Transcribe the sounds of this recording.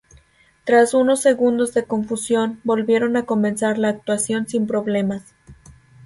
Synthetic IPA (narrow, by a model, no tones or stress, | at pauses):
t̪ɾasuno̞sːe̞ɣund̪o̞zðe̞ko̞ɱfusjo̞nbo̞lβje̞ɾo̞nako̞mẽ̞nsaɾlaːk̚t̪wasjo̞nsimpɾo̞βle̞mas